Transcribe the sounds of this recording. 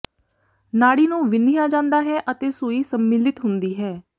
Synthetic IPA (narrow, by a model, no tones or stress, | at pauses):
naːɽiːnũːʋɪnijaːd͡ʒãːnd̪aːɦɛːʔət̪eːsuːiːsəmːɪlɪt̪ɦʊnd̪iːɦɛː